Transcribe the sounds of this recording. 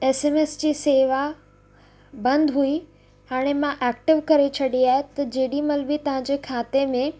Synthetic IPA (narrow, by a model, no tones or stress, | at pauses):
eːseːmeːsd͡ʑiːseːʋa | bɐ̃nd̪ɦui | ɦaːɽ̃emãʔɛːk̚ʈɪʋkɐɾet͡ɕʰɐɗiaːɦet̪ɐd͡ʑeːɗimɐlbɪt̪ɐʋ̤ãɲd͡ʑekʰaːt̪emẽ